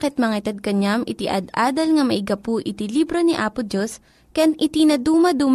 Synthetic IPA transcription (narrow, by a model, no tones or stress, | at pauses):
kɛt̪̚mɐŋaɪt̪ɐd̪̚kɐɲamʔɪt̪ɪʔɐ̰d̪aːd̪ɐlŋɐmɐʔɪɡɐpʊʔɪt̪ilibɾoniʔaːpʊd̪os | kɐjanʔɪt̪inɐd̪uːmɐd̪uːm